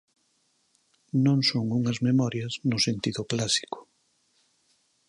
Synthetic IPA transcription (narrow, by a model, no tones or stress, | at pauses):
nõŋsoŋuŋɐzmemɔɾjɐznʊsent̪iðʊklasi̥kʊ̥